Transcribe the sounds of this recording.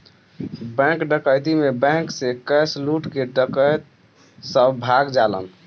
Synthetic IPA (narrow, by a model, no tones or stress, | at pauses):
bɛ̃kɖəkəjt̪imebɛ̃ŋksekəjsluʈkeɖəkəjt̪ | səbbʱaɡd͡ʒalə̰n